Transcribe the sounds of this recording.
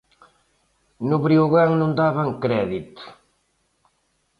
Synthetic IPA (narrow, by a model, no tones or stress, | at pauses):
nʊβɾioɣaŋnũnd̪aβaŋkɾɛðit̪